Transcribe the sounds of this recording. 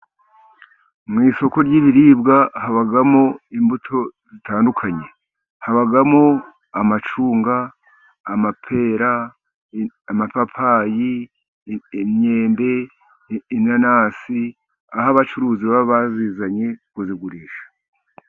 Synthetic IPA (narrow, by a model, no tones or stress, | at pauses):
mŋiːso̞ko̞ɾɟiːβiɾiːbɡahaβaɡamoimbutʰo̞zitaːndukʰaɲe | haβaɡamo | amat͡ʃuːŋɡaː | mapʰe̞ɾa | amapapʰaːji | mɲe̞ːmbe̞ː | nanaːsi | aɦaβat͡ʃuɾuːziβaβaββaziːzaɲe̞kuziɡuɾiːʃḁ